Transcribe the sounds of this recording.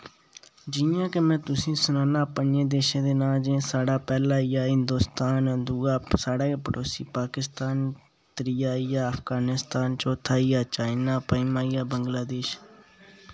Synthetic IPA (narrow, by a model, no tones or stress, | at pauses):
d͡ʒɪjãːkemɛ̃ːt̪ʊsĩːsʊnãːnaːpənjẽːd̪eːʃẽːd̪eːnaːd͡ʒẽsaːɽaːpɛːlaːijaːɦɪnd̪oːst̪aːnd̪uaːsaːɽaːpəɾoːsiːpaːkɪst̪aːn | t̪ɾiːjaːijaːəpʰɡaːnɪst̪aːnt͡ʃoːt̪ʰːaːiːaːt͡ʃaːɪnaːpəimaːijaːbəŋɡlaːd̪eːʃ